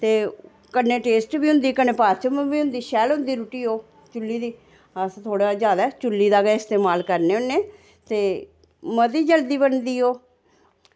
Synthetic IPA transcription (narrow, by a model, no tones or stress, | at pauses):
t̪eː | kənːeːʈeːsʈbiːɦʊ̃nd̪iːkəneːpaːɾt͡ʃəmbiːʊ̃nd̪iːʃɛːlɦʊ̃nd̪iːɾuʈiːoː | t͡ʃʊlːiːd̪iː | əst̪ʰoːɽaːzjaːd̪aːt͡ʃʊlːiːd̪aːɡaːɪst̪eːmaːlkəɾneːʊnːeː | t̪eː | mət̪iːd͡ʒəld̪iːbənd̪iːoː